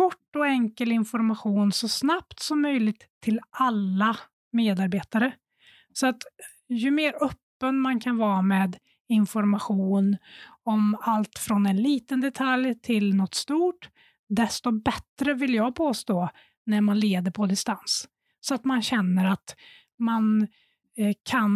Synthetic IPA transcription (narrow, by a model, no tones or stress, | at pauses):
kʰɔʈːɔɛŋkəlɪnfɔɾmaɧuːnsɔsnapt̪sɔmːœjlɪɡt̪ʰːɪlalːa | meːd̪aɾbeːt̪aɾə | sɔat̪ | jɵmeːɾœpːənmankʰanvɑːmeːd̪ | ɪnfɔɾmaɧuːnɔmalt̪fɾɔnɛnliːt̪ənd̪ɛt̪ʰaljt̪ʰɪlnɔt̪ːst̪uːʈ | d̪ɛst̪ɔbɛt̪ɾəvɪljɑːɡpʰoːst̪oː | næɾmanleːd̪əɾpʰɔd̪ɪst̪ans | sɔat̪manɕɛnːəɾat̪ | man | kʰan